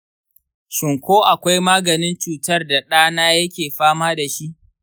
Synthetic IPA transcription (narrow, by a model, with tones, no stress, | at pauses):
ʃɪ˨ŋkʷoː˦ʔa˨kʷa˦jmaː˦ɡɐ˨nɪ˦nt͡ʃuː˨tɐ˦rda˨ɗaː˦naː˦jɐ˦kʲeː˨ɸaː˦maː˦da˨ʃi˦ʔ